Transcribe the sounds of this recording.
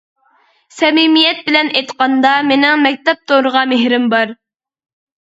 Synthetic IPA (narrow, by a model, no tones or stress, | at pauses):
sɛmimijɛt̪̚bɪlɛnʔejt̪qɑnd̪ɑmenɪŋmɛk̚ʲt̪ɛp̚t̪ʰoɾəʁɑmeɦɾɪmbɑɾ